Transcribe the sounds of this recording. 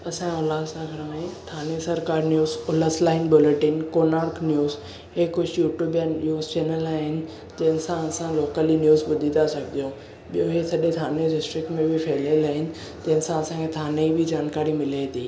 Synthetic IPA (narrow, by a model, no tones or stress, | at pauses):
ɐsãoːlaːd̪sãɡʱɐɾmẽt̪ʰaːnesɐɾkaːɾnjuːzoːləslaːɪnbʊleʈɪnkoːnaːɾknjuːz | ɦekʊd͡ʑʰʱjuːʈjuːbjanjuːzt͡ɕeːnəlaːɦɪnɪ̆ | d͡ʑɐ̃ɦɪnsãɐsãloːkəlinjuːzɓʊd̪ʱit̪asɐɡʱd̪ijõ | ɓɪjoɦesɐɗet̪ʰaːneɖɪsʈɾɪk̚ʈmẽbʱɪfʰeːɪlelaːɦɪnɪ̆ | d͡ʑɐ̃ɪnsãɐsãkʰet̪ʰaːneibʱɪd͡ʑaːnkaːɾimɪlaid̪iː